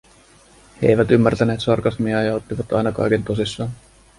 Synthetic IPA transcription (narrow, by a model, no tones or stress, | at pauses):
hḛjʋæt̪ymːært̪æne̞ːt̪sɑrkɑsmiɑjɑo̞t̪ːiʋɑt̪ɑ̰jnɑkɑ̰jke̞nt̪o̞sisːɑːn